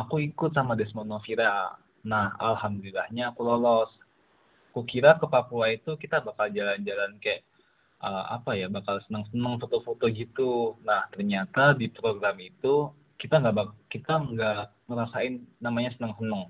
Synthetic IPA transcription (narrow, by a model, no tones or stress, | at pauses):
akuikʊt̪̚samadɛsmonofiɾa | naha̰lhamd̪olilːahɲaːkulolɔs | akukiɾakəpapuait̪ukit̪abakald͡ʒaland͡ʒalankajaʔ | ʔəa̰pajabakalsənəŋsənəŋfot̪ofot̪oɡit̪unaht̪ərɲat̪adipɾoɡɾamit̪u | kit̪aŋɡaʔbakit̪aŋɡaʔməɾasaɪnːamaɲasənəŋsənəŋ